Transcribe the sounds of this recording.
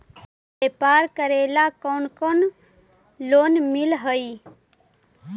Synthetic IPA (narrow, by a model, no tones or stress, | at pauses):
beːpaːɾkəɾeːlakoːnkon | loːnmɪlɦəi